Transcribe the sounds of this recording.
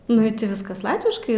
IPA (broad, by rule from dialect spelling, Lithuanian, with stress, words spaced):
nʊ ɪ ˈtʲɪ ˈʋʲɪskɐs ˈlˠɑːtʲʋʲɪʃkɐɪ